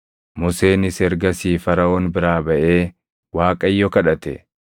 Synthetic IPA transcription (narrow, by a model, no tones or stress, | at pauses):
mʊse̞ːnɪsɛɾɡɐsiːfɐɾɐoːnbɪɾaːbɐʔe̞ː | waːkʼɐjːɔkɐᶑɐt̪ɛ